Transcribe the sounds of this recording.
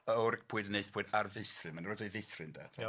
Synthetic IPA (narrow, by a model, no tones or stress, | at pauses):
əʊrɡ̚pʰuɨdənejθpʰuːɨdarvɪθrɪmanrɔdevɪθrɪnda̰